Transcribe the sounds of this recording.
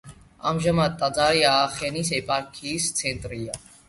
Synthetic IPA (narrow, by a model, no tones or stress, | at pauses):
a̰mʒamad̪̚t̪ʼːad͡zaɾiaχɛnisɛpʼaɾkʰist͡s̪ʰɛnt̪ʼɾija